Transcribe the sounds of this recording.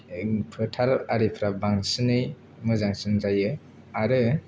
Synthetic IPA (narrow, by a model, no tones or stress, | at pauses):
pʰɯtʰaɾaɾipʰɾabaŋsɯnɯj | mɯzaŋsɯnzajɯ | aɾɯ